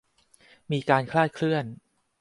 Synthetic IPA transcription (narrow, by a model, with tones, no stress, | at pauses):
miː˧kaː˧nkʰlaː˥˩t̪̚kʰlɯ˥˩ən